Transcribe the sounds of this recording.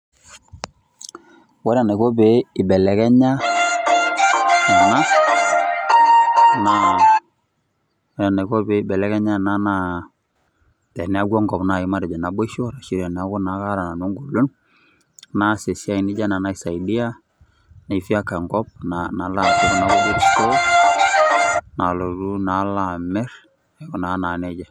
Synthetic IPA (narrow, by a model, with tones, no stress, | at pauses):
wɛ˦ɾa˨na˨kɔ˦be˨˦ɪ˨bɛ˨lɛ˨kɛ˦ɲa˦ | na˨na˦˨ | na˦ | wɛ˦ɾa˨na˨kɔ˦be˦ɪ˦bɛ˨lɛ˨kɛ˦ɲa˦na˦na˦ | tɛ˨nɛ˨˦a˦ɡɔ˦ŋɡɔ˨pna˨i˨ma˦ɾɛ˨d͡ʒa˨na˨bɔ˦i˦ʃɔ˦ɾa˨ʃi˦ɾa˨nɛ˨a˦kɔ˦na˨˦ka˦ɾa˨na˨no˦ŋɡu˨lu˦n | na˦˨se˨si˦a˦i˨nɪ˦d͡ʒa˦na˨na˦sa˨i˨di˦a˦ | na˨i˨fi˦a˦ka˨ŋɡɔ˦b̚nana˨˦la˨tu˦kna˨kɔ˦d͡ʒe˦t͡ʃkɔ˦ | na˨lo˨du˦na˨˦la˨mɛ˦ɾ | ɛ˨ɡɔ˨na˨˦na˨nɛ˦d͡ʒa˨